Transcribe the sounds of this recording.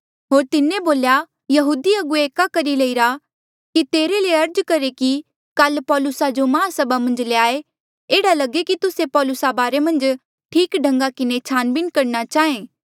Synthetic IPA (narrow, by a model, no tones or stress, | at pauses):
ɦoːɾt̪ɪnẽboːlja | jɐɦuːd̪iɐɡueːkakɐɾilɐiɾa | kit̪eːɾeleɐɾd͡ʒkɐɾeki | kɐlpɔːlʊsad͡ʒomãːsɐbamɐ̃nd͡ʒleaːe | eːɽalɐɡekit̪ʊsepɔːlʊsabaːɾemɐ̃nd͡ʒ | ʈʰiːkɖʱɐ̃ŋɡakɪnet͡ʃʰaːnbɪnkɐɾnat͡ʃaːɦẽː